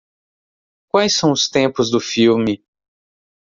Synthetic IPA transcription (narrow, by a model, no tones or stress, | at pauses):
kwajsːɐ̃w̃ʊst̪ẽpʊzd̪ʊfiwmɪ